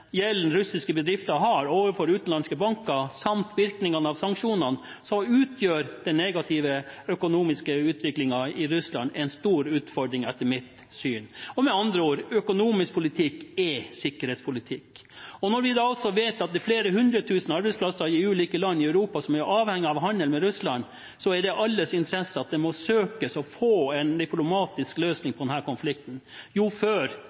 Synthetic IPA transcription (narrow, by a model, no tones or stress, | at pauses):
jɛlːn̩ɾʉsɪskəbəd̪ɾɪft̪ɑɦɑɾoːʋəfɔɾʉːt̪n̩lɑnskəbɑŋkɑsɑmt̪ʋɪɾknɪŋɑnəɑʋsɑŋkʂuːnɑn | sɔmʉːt̪ʰjøːɾd̪ɛneːɡɑt̪ʰɪʋəœkʊnuːmɪskəʉːt̪ʋɪklɪŋɑɪɾʉslɑ̰nd̪ɛɪnst̪uːɾʉːt̪fɔɖɾɪŋɛt̪ːəmɪt̪ | syːnɔmɛɑnd̪ɾəoːɾœkʊnuːmɪsk̚pʰʊlɪt̪ʰɪkːɛsɪkːəɾheːt̪spʰʊlɪt̪ʰɪkː | ɔnɔɾʋɪd̪ɑːɑlt̪sɔʋeːt̪ɑt̪̚d̪ɛfleːɾəɦʉnd̪ɾət̪ʰʉːsən̩ɑɾbɛɪspʰlɑsːəɾjɪʉːliːkəlɑnːɪœʉɾuːpɑsɔmæjʊɾʔɑːʋhɛŋːɪɑʋɦɑnːəlmɛɾʉslɑn | sɔæɖɛʔɑlːəsɪnt̪əɾɛsːəɑt̪̚d̪ɛmɔsøːkəsɔfoːɛnd̪ɛplʊmɑːt̪ɪskløːsnɪŋpʰɔd̪ɛnæːɾkɔnflɪk̚t̪n̩ | juːføːɾ